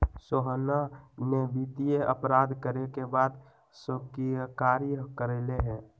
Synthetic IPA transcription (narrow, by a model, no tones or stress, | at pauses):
soɦənanebit̪ijeə̰pɾaːd̪kəɾekebaːd̪ | səkikaːɾijəkəɾeleɦɛ̃ː